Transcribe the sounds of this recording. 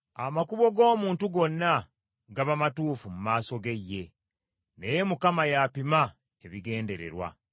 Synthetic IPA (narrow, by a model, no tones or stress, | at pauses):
a̰makuβo̞ɡo̞ːmuːntuɡo̞nːa | ɡaβamatuːfumumaːso̞ɡe̞jːe̞ | neje̞mukamajapima | eβiɡe̞ːnde̞ɾe̞̰ɾwa̰